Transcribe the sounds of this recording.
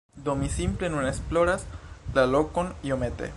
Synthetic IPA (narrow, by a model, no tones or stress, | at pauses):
d̪o̞misimple̞nuneksplo̞ɾaslalo̞ko̞niomet̪ḛ